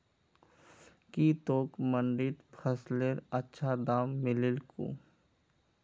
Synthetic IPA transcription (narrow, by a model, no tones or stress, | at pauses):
kiːt̪oːkməɳɖit̪pʰəsleɾɐtːʃʰad̪aːmːɪlɪlko̰ː